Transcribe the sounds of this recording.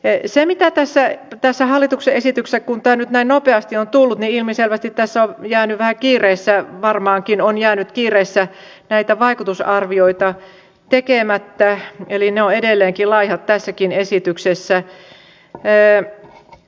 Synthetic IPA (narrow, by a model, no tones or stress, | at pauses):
semit̪æt̪æsːæt̪æsːæhɑlːit̪ukseʔesit̪yksekkunt̪æːnyt̪næinnopeɑst̪iont̪ulːut̪niilmiselʋæst̪it̪tæsːæojæːnyʋæhækiːreːsːæʋɑrmɑːŋkinonjæːnyt̪kiːreːsːæ | næit̪æʋɑikut̪usɑrʋioit̪ɑ | t̪ekeˑmæt̪ːæelineoedelːeːŋkilɑihɑt̪t̪ːæsːækinesit̪yksesːæ